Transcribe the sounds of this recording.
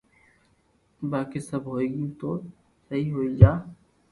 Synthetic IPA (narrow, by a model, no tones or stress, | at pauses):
baːkesɐbʱɦoːeːɡiũt̪oː | sɐɦiɦoːid͡ʒaː